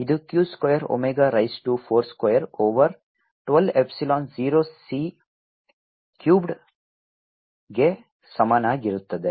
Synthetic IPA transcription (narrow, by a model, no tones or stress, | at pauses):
id̪ukjuːskwojɐɾo̰meɡaɾɐjsʈupʰoːɾskɐjɐɾoːʋɐɾ | ʈʋɐlepsilaːnziːɾoːsiː | kjuːbɖ | ɡe | sɐmaːnaɡiɾut̪ːɐd̪e